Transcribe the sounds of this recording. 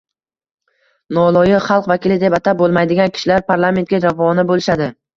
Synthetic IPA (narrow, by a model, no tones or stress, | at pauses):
nɒlˠɒjɪχɑlˠqvakʲɪlɪd̪epat̪ʰabolˠmajd̪ɪɡʲankʲʰɪ̥ʃɪlaɾpʰaɾlˠame̞nt̪̚ɡʲad͡ʒavɒnɪbolɪʃad̪ɪ